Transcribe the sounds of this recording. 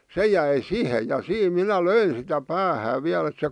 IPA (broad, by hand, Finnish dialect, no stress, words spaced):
se jæi sihe jɑ siːm minæ løin̞ sitæ pæːhæː ʋiæl ĕt se